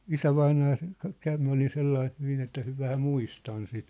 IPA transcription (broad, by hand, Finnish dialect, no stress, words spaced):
isæʋɑinɑː se kɑ kæʋ m olin̞ selːɑih hyʋin etːæ hy ʋæhæ muistɑn sit